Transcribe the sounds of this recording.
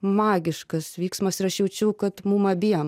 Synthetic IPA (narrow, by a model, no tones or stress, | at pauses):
mɑːɡʲɪʃkɐsʋʲiːksmɐsɪɾɐʃjɛʊt͡ʃʲɛʊkɐt̪mumɐbʲiɛɛm